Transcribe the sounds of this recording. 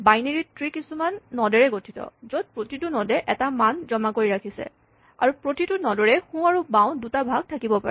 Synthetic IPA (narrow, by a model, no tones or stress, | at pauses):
bajneɹitɹikisumanːɔdɛɹɛɡotʰi̥tɔ̰zod̚pɹotitʊnɔdɛʔɛtamanzɔmakoɹiɹakʰisɛ̰ | a̰ɹupɹotitʊnɔdɔɹɛxũaɹubãʊ̃dutabʱaɡ̚tʰakibɔpa̰ɹɛ